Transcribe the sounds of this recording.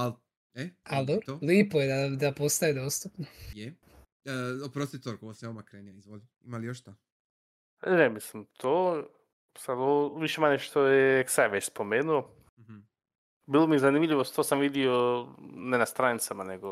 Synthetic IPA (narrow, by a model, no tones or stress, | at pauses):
al | ead̪oɾoliːpojed̪ad̪apost̪aed̪oːst̪upnoje | opɾost̪it̪oɾkooseomakɾeːniaizʋolʲi | imalijoʃt̪a | nemislimt̪ʰo | sad̪oʋiʃemaɲeʃt̪ojeeksajʋet͡ɕspo̞meːnuo | bilˠomiezanimʎiʋost̪osamʋid̪ionenast̪ɾanit̪samaneɡo